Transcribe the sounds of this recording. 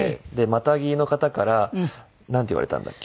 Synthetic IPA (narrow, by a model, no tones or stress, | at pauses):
d̪e̞mat̪aɡʲino̞kat̪akaɾa | nãnt̪eiβa̰ɾe̞t̪ã̰nd̪a̰kʲːe